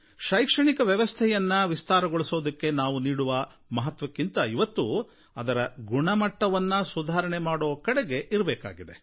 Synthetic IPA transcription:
ʃɐjkʂɐɳikɐʋjɛʋɐst̪ʰɛjɐnːɐʋist̪aːɾɐɡoɭisoːd̪ɐkːe̞naːʋuniːɽuʋɐ | mɐɦɐt̪ʋɐkːint̪ɐiʋɐt̪ːu | ɐd̪ɐɾɐɡuɳɐmɐʈːɐʋɐnːɐsud̪ʱaːɾɐɳemaːɽɔːʋɐkɐɽeɡe̞ʔiɾbɛːka̰ːɡid̪e̞̰

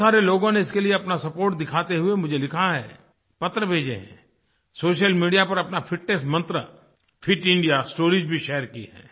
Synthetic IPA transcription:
aːɾeloːɡõneɪskelieɐpnasɐpoːɾʈ̚d̪ɪkʰaːt̪eɦʊemʊd͡ʒʱelɪkʰaɦɛ̰ː | pɐt̪ːɾəbʱeːd͡ʒḛɦɛ̰̃ | soːʃ̬əlmiːɖijapɐɾɐpnafʰɪʈnes̬mɐ̃nt̪ɾə | fʰɪʈɪ̃ɳɖijasʈoːɾiːd͡ʒbʱiʃɛːəɾkḭɦɛ̰ː

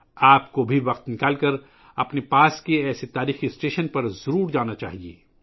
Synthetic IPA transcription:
aːpkobʱiʋɐqt̪nɪkaːlkɐɾ | ɐpnepaːskeɛːset̪aːɾiːxisʈeːʃənpɐɾzɐɾuːɾd͡ʒaːnat͡ʃa̰ːɦiḛː

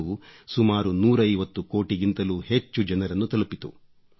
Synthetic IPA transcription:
usumaːɾunuːɾɐjʋɐt̪ːuko̞ːʈiɡint̪ɐluːhe̞t͡ʃːud͡ʒɐnɐɾɐnːut̪ɐlupit̪ṵ

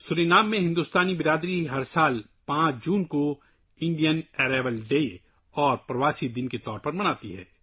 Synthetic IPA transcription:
sʊɾeːnaːmːẽɦɪ̃nd̪uːst̪aːnibɪɾaːd̪ɾiɦɐɾsaːl | pãːt͡ʃd͡ʒuːnko | ɪ̃ɳɖijənɛːɾeːʋəlɖeːi | ɔːɾpɾɐʋaːsid̪ɪnket̪ɔːɾpɐɾmɐnaːt̪iɦɛ̰ː

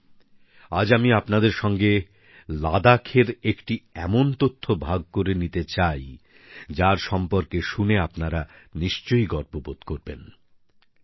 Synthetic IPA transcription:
ad͡ʑamiapnad̪eɾʃɔŋɡe | lad̪akʰeɾekʈiɛmont̪ot̪ʰːobʱaɡ̚koɾenit̪et͡ɕaj | d͡ʑaɾʃɔmpoɾkeʃuneapnaɾaniʃt͡ɕojɡɔɾpobod̪koɾben

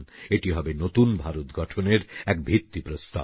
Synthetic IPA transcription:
neʈiɦɔbenot̪unbʱaɾot̪ɡɔʈʰoneɾɛkbʱit̪ːipɾost̪a̰

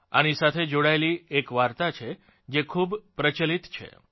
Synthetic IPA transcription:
a̰nisat̪ʰed͡ʒoɽaeliekʋaɾt̪at͡ʃʰe | d͡ʒekʰubpɾət͡ʃəlit̪t͡ʃʰḛ

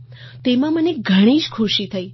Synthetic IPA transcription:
t̪emãməneɡʱəɽ̃iʃkʰuʃit̪ʰəi

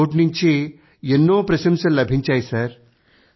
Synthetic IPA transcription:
oʈniɲt͡ɕe | jenːopɾɐsimsəlɐbʱiɲt͡ɕajsɐɾ

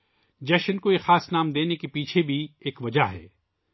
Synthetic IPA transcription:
d͡ʒɛːʃənkojexaːsnaːmd̪eːnekepiːt͡ʃʰebʱieːkʋɐd͡ʒaɦɛ̰ː

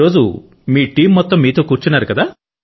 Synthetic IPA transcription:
o̞ːd͡ʒṵ | miːʈiːmːɔt̪ːɐmːiːt̪o̞ːkuːɾt͡ʃunːaːɾukɐd̪aː

